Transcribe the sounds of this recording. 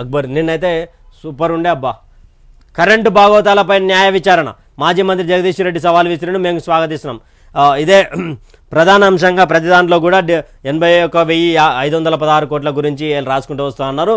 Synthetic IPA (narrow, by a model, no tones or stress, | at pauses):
ɐɡ̚bɐɾninːɐjt̪e̞ː | suːpɐɾuɳɖeɐbːa | kɐɾeɳʈubʱaːɡɐʋɐt̪̬aːlɐpɐjnɐnjaːjɐʋit͡ʃaːɾɐɳɐ̰ | maːd͡ʒiːmɐnt̪̬ɾid͡ʒɐɡɐd̪iːʂɐɾe̞ɖːis̬ɐʋaːluʋist̪iɾɐɖume̞ːmusʋaːɡɐt̪̬ist̪una̰ːm | id̪e̞ː | pɾɐd̪ʱaːnɐːmʂɐŋɡaːpɾɐt̪̬id̪aːnloːk̬uːɽaːɖ | enbʱɐjɔkːɐʋejiɐjd̪uʋɐnd̪ɐlɐpɐd̪ɦaːɾukoːʈ̬lɐɡuɾiɲt͡ʃieːlɾaːsukuɳʈuːʋɐst̪unɐnːaːɾu